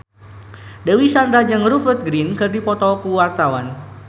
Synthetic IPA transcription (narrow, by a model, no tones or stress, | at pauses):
dɛwisand̪ɾad͡ʒaŋrufərt̪̚ɡɾinkɨrdipɔt̪ɔkuwart̪awan